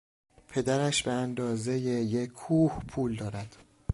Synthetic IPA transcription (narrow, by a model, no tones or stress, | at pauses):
pʰe̞d̪æɾæʃbeænd̪ɒːze̞jejekʰːuːhpʰuːld̪ɒːɾæd̪̥